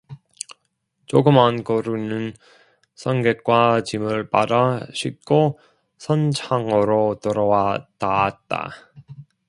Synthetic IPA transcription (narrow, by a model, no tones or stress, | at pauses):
t͡ɕoɡɯmankʌɾunɯn | sʰʌnɡek̚k͈wat͡ɕimɯɭpadaɕʰit̚k͈o | sʰʌnt͡ɕʰaŋɯɾotɯɾʌwatat̚t͈a̰